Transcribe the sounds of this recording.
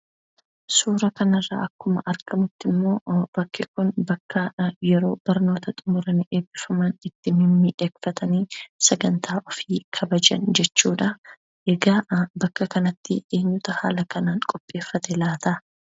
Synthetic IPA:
suːɾɐkɐnɐrːɐ̰ːʔɐkːʊmɐ̰ʔɐɾkɐmʊt̪ːɪmːo̞ːb̥ɐkːɪkʊnbɐkːɐjɛɾo̞ːbɐɾno̞ːt̪ɐt̪ʼʊmʊɾɐnʔeːbːɪfɐmɐnɪt̪ːɪmɪmːɪᶑeːkfɐt̪ʰɐniːsɐɡɐnt̪ʰaːʔɔfiːkʰɐbɐd͡ʒɐ̰nd͡ʒɛt͡ʃːuːᶑɐ | ʔɛɡaːbɐkːɐkɐnɐt̪ːɪ̰ʔeːɲːʊt̪ɐha̰ːlɐkɐnaːŋkʼɔpʼːe̞ːfːɐt̪ɛlaːt̪ɐ

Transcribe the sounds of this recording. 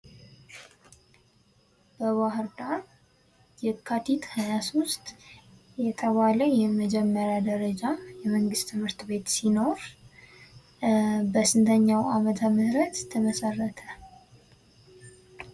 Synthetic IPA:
b̥əβaɦɨɾd̪aɾ | jɛkʰːat̪ʰit̪hajasost̪ | jɛt̪ʰəβaləjɛməd͡ʒɛmːəɾjad̪əɾəd͡ʒajɛməŋɡɨst̪ʰɨmhɨɾt̪βe̞t̪sino̞ɾ | bəsɨnt̪ʰəɲːawamət̪ʰaməsɾət̪t̪ʰːəməsərːət̪ʰə

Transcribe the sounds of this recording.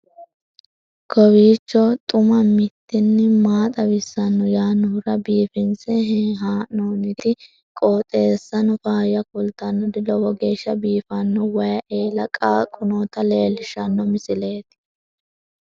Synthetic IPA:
kɔwiːt͡ʃːɔt̪ʼʊmɐmɪt̪ːɪnːɪmaːt̪ʼɐwɪsːɐnːɔjaːnʊhʊɾɐbiːfɪnsɛɦɛɦaːnoːnɪt̪ɪ | kʼoːt̪ʼe̞ːsːɐnɔfaːjɐkʊlt̪ɐnːɔd̪ɪlɔwɔɡeːʃːɐbiːfɐnːɔwɐjɐʔeːlɐkʼaːkʼʊnoːt̪ɐle̞ːlːɪʃɐnːɔmɪsɪleːt̪

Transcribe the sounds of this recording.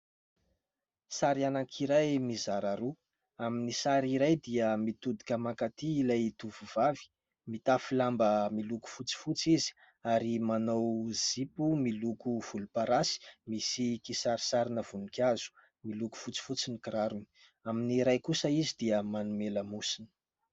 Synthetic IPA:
saɾianakʰiɾajmizaɾaɾu | aminisaɾiɾajd̪iəmit̪ud̪i̥kʲəmakat̪iːlajt̪uvuvavi̥ | mit̪afilambəmiluku̥fut͡si̥fut͡sizi̥ | aɾimanowz̥ipumilukuv̥ulupaɾasi̥misikisaɾi̥saɾinəv̥unikʲazu̥ | miluku̥fut͡si̥fut͡sinikiɾaɾuni | aminiɾajkusəizid̪iəmanumeləmusinə̥

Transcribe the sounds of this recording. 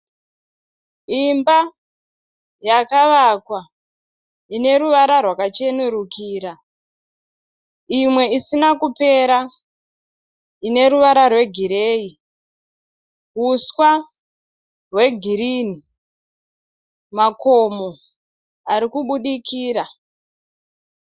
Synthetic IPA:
imba | jakaʋakwa | ine̞ɾuʋaɾarwakat͡ʃe̞nuɾukiːɾa | imwe̞isinakupe̞ɾa | ine̞ɾuʋaɾarwe̞ɡʱiɾe̞ːi | ɦuswa | rwe̞ɡʱiɾini | makomo | aɾikuɓuɗikiːɾa

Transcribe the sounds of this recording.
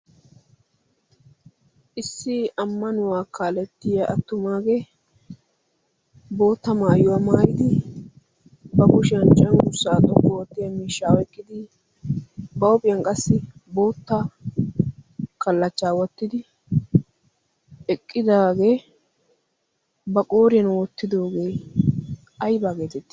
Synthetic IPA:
ʔɪsːɪɐmːɐnʊwaːkaːlɛt̪ːɪjɐʔɐt̪ːʊmaːɡe̞ː | bo̞ːt̪ːɐmaːjʊwaːmaːɾɪd̪ɪ | bɐkʊʃɪɐnt͡ʃʼːɐnɡʊsaːt̪ʼɔkːoːt̪ːɪjɐmiːʃːaːwɛkʼːɪd̪ɪ | bɐwɔpʼɪjɐnkʼɐsːɪbo̞ːt̪ːa | kɐlːɐt͡ʃːaːwɔt̪ːɪd̪ɪ | ɛkʼːɪd̪aːɡe̞ː | bɐkʼo̞ːɾɪjɐnwɔt̪ːɪd̪o̞ːɡe̞ː | ɐjbaːɡeːt̪ɛt̪ːɪ̥

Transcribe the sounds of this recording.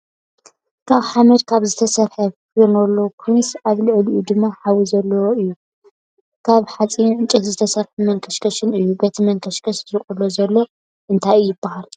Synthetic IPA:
kʰaβħamɐd̪kʰaβzɨt̪ʰɐsɐɾħɐkonolːokʰijnsaβlɨʕliʔud̪ɨmːaħawizɐlːɐwoʔɨjːu | kʰaβħat͡sʼiɨnt͡ʃʼɐt̪zɨt̪ʰɐsɐɾħumɐŋkʰɐʃkʰɐʃɪnɨjːubɐt̪ʰimɐŋkʰɐʃkʰɐʃɾɨχʼulːozɐlːo̞ | ʔɨnt̪ʰajijɪbːahal

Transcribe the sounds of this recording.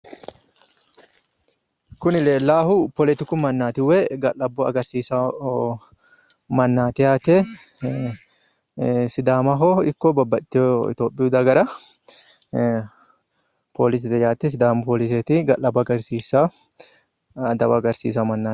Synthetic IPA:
kʊnɪleːlaːhʊpɔlɛt̪ɪkʊmɐnːaːt̪ɪwːɛɡɐʔɐbːɔɐɡɐɾsiːsa | mɐnːaːt̪ɪjaːt̪ɛ | sɪd̪aːmɐɦoɪkːɔbɐbːɐt̪ːɪɪ̰t̪joːpʼːɪjud̪ɐɡɐɾɐ | pʰoːlɪs̬ɛt̪ɛjaːt̪ːɛs̬ɪd̪aːmpoːlɪs̬et̪ɪɡɐlɐbːɡɐɾsiːsa | d̪ɐbɐɡɐɾsḭːs̬amɐnːaː

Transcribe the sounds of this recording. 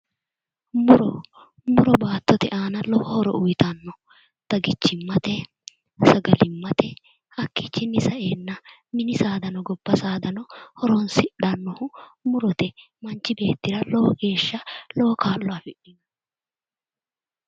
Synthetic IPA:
mʊɾɔ | mʊɾɔbaːt̪ːɔt̪ɛʔaːnɐlɔhɔhɔɾɔ̰ʔʊjt̪ɐnːɔ | t̪ɐɡɪt͡ʃːɪmːɐt̪ɛ | sɐɡɐlɪmːɐt̪ɛ | hɐkːit͡ʃːɪnːɪsɐʔe̞ːnːɐmɪnɪsaːd̪ɐnɔɡɔbːɐsaːd̪ɐnɔhɔɾɔnsɪᶑɐnːɔhʊmʊɾɔt̪ɛ | mɐnt͡ʃːɪbe̞ːt̪ːɪɾɐlɔwɔɡe̞ːʃːɐlɔɔkaːlːɔaːfɪᶑɪɡɐ

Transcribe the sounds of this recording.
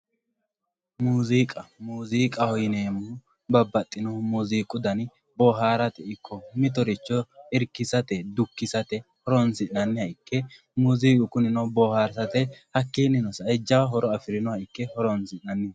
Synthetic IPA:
muːziːkʼɐmuːziːkʼɐhɔjɪneːmʊ | bɐbːɐt̪ʼːɪnɔmuːziːkʼʊd̪ɐn | bɔːɦaːɾɐt̪ɛɪkːɔmɪt̪̬ɔɾɪt͡ʃːɔɪɾkːɪsɐt̪ɛd̪ʊkːɪsɐt̪ɛhɔɾɔnsɪʔɐnːɪhɐɪkːɛ | muːziːkʼʊkʊnɪnɔbɔːhaːɾsɐt̪ɛhɐkːiːnɪnɔsɐɪd͡ʒːɐwɐɦɔɾɔɐfɪɾɪnɔhɐɪkːɛhɔɾɔnsɪnːɐnːɪj

